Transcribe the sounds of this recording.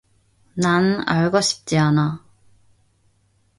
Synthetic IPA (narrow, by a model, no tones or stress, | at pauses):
nana̰ɭɡʌɕʰi̥p̚t͡ɕ͈iana